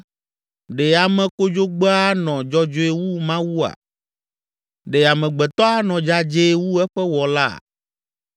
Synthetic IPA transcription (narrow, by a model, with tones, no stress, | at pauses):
ɖe˨a˨mɛ̃˨ko˦d͡ʒo˦ɡ͡be˦a˦nɔ̃˨d͡ʒɔ˦d͡ʒo˦e˦wu˦mã˦wu˦a̰˨ | ɖe˨a˨mɛ̃˨ɡ͡bɛ˨t̪ɔ˦a˦nɔ̃˨d͡ʒa˦d͡ʒe˦wu˦ɛ˦ɸɛ˦wɔ˨la˦˨